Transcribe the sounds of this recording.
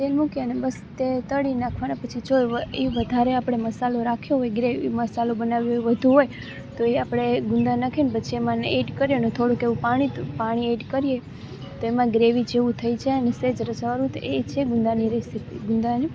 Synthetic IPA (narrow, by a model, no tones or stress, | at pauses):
t̪elmukjanebəst̪et̪əɽinakʰʋanapət͡ʃʰid͡ʒoʋəeʋəd̪ʱaɾeapɽ̃eməsaloɾakʰjoɦojɡɾeʋiməsalobənaʋjoʋəd̪ʱũɦoj | t̪oeapɽ̃eɡʊnd̪anakʰenpət͡ʃʰiemãneʈkəɾjenet̪ʰoɽũkeʋũpaɽ̃ipaɽ̃ieʈkəɾje | t̪oemãɡɾeʋit͡ʃʰeʋũt̪ʰəit͡ʃʰeənesed͡ʒɾət͡ʃaʋaɾũt̪et͡ʃʰeɡʊnd̪aniɾesipḭɡʊnd̪ani